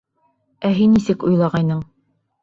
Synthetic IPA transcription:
æɦinːisɘkujlˠɑʁɑjnɤɴ

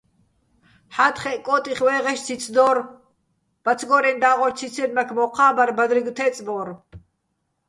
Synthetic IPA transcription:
ħat̪χɛʔkʼɔːt̪ʼiχwɛːʁɛʃt͡sʰit͡sʰd̪ɔːɾ | b̥at͡sʰɡɔɾɛnd̪aːʁɔɾt͡sʰit͡sʰɛnmakʰmɔqʰaːbaɾbad̪ɾiɡt̪ʰɛt͡sʼbɔːɾ

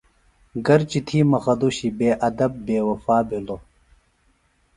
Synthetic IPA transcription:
ɡɐɾt͡ɕit̪ʰiːmɐxɐd̪uɕibeːʔɐd̪ɐb̚ːeːwɐfaːbʱilo

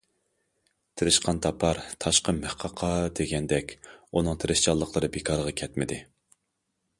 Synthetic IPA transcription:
t̪ʰɪɾɪʃqʰɑnt̪ʰɑpʰɑɾt̪ʰɑʃqəmehqʰɑqʰɑd̪eɡʲɛnd̪ɛkʲunɨŋt̪ʰɪɾɪʃt͡ʃɑlˠːəqʰlˠəɾɨbekʰɑɾəʁɑkʲʰɛt̪mɪd̪ɪ

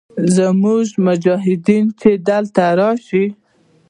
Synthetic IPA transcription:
zəmuʒmʊd͡ʒɑɦɪd̪int͡ʃed̪alt̪aɾɑʃi

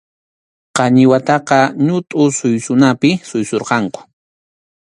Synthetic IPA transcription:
qɑɲɪwat̪ɑqɑɲʊt̪ʼʊsʊjsʊnapɪsʊjsoɾqɑŋkʊ̥

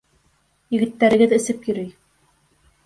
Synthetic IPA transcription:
jɘ̆ɡɘ̆t̪ːæɾɘ̆ɡɘðɘ̆sɘpjɵ̆ɾɘj

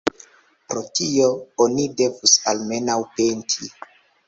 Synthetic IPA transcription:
pɾo̞tio̞onide̞vusalme̞nawpentʰi

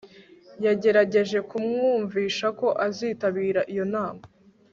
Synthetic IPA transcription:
jaɟe̞ɾaɟe̞ʒe̞kumŋuːɱviːʃako̞ʔaziːtaβiːɾaʔijo̞naːma

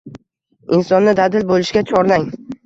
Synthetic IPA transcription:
ɪnsɒnːɪd̪ad̪ɪlbolɪʃɡʲat͡ʃʰɒɾlaŋ

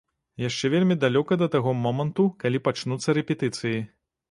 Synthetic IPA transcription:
jaʂt͡ʂɛvʲelʲmʲid̪alʲɔkɐd̪ɐt̪aɣɔmɔmɐnt̪ukalʲipat͡ʂnut̪sːɐɾɛpʲɛt̪ɨt̪sɨji

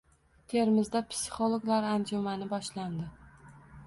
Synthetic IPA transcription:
t̪ʰe̞ɾmɪzd̪apʰsɪ̥χolˠoɡlaɾand͡ʒʊmanɪbɒʃland̪ɪ

